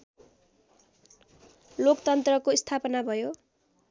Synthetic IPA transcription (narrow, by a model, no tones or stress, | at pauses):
lokt̪ʌnt̪rʌkoist̪ʰapʌnabʱʌjo